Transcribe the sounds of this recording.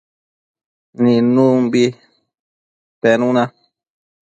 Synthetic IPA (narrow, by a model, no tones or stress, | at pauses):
nĩnũmbi | t̪enũnã